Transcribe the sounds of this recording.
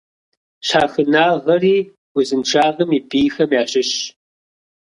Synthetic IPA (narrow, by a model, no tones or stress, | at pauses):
ɕaːxɨnaːʁɐriː | wʊzɨnʈ͡ʂʰaːʁɐmiːbʼiːxɐmjaːɕɪɕ